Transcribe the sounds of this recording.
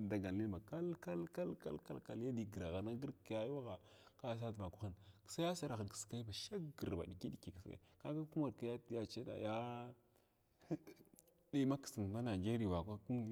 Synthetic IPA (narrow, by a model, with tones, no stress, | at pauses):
da˨ɡa˨lːi˦˨ma˨ka˦lka˦lka˦lka̰˦lka̰˦lka˨lja˦di˨ɡə˨ɾa˨ɣa˨na˦ɡə˦ɾkja˦jwa˦ɣa˨ka˦s̬a˦tva˨ku˦xa˨nksa˦ja˦sa˨ɾa˨xa˨nki̥˨ska˦i˦ba˨ʃa˦ɡə˨ɾba̰˨ɗi˨ki˦ɗi˨˦ki˨kska̰˨i˨ka˦ka˦ku˦ma˨ɾka˦ja˦tja˦t͡ʃa˦da̰˨ja˦ | di˦ma˦ksi˨n˨va˦na˨d͡ʒe˦ɾi˨wa˨kʷa˦ku˦